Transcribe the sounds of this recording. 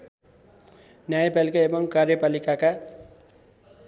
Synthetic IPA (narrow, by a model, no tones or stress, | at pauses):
njajapalikaebʌŋkarjʌpalikaka